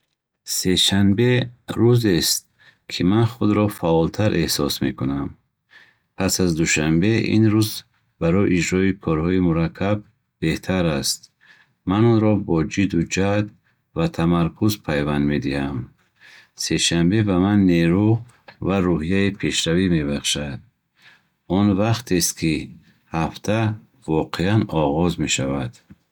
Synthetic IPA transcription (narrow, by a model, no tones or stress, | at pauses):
se̞ʃanbe̞ɾuzest̪̚ | kʰimanχud̪ɾɔfaɔlt̪ʰaɾʔehsɔsmḛkunam | pʰasazd̪uʃambe̞ḭnɾuz | baɾɔjʔid͡ʒɾɔikʰɔɾhɔimuɾakʰːab̚ | b̥e̞ht̪ʰaɾast̪̚ | manɔnɾɔbɔd͡ʒid̪ud͡ʒad̪ | vat̪ʰamaɾkʰuzpʰajvand̪me̞d̪iham | se̞ʃambe̞bamanːeɾu | vaɾuɦijaipʰe̞ʃɾavime̞baχʃad̪̚ | ɔnvaχt̪ʰest̪kʰi | haft̪ʰa | vɔqʰeanɔʁɔzme̞ʃavad̪̥